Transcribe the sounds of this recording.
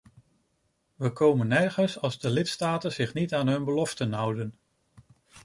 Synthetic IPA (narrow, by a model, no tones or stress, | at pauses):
ʋəkowmənːɛrχənsɑlˠzdəlɪtstaːtənzɪχnitaːnɦɵnbəlɔftənɦʌwdən